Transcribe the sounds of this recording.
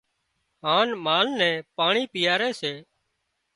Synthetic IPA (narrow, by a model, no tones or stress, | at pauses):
ɦãːnmaːlnɛ̃ːpaːɳiːpɪjaːɾeːseː